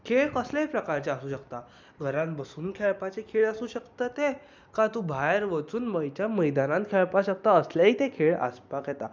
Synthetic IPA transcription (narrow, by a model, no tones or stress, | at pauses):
kʰeɭkəslaɦipɾəkaɾt͡ɕeasuːɕəkt̪a | ɡʱəɾãnbəsuːnkʰɛɭpat͡ɕekʰeɭasuːɕəkt̪ət̪e | kãt̪ubʱajɾʋət͡suːnməjt͡ɕjaməjd̪anãnt̪̚kʰɛɭpaɕək̚t̪aəsljaɦiːt̪ekʰeɭə̰spakɦjet̪a